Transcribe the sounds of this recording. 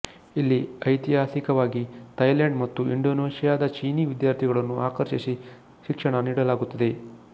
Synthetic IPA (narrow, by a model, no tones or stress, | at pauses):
ilːiɐjt̪iɦaːsikɐʋaːɡit̪ɐjleɳɖmɐt̪ːuiɳɖoːneːʃjaːd̪ɐt͡ʃiːniʋid̪jaːɾt̪ʰiɡɐɭɐnːuʔaːkɐɾʃisi | ʃikʂɐɳɐniːɽɐlaːɡut̪ːɐd̪e̞